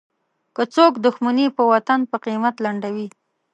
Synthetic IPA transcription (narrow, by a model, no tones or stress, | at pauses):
kət͡sokd̪ʊxmanipəwat̪anpəqimat̪laɳɖawi